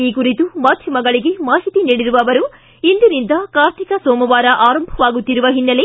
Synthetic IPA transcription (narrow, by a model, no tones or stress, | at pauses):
iːkuɾit̪umaːd̪ʱjɐmɐɡɐɭiɡe̞maːɦit̪iniːɽiɾuʋɐʋɐɾu | ind̪inind̪ɐkaːɾʈ̪ikɐsoːmɐʋaːɾɐʔaːɾɐmbʱɐʋaːɡut̪ːiɾuʋɐɦinːɐle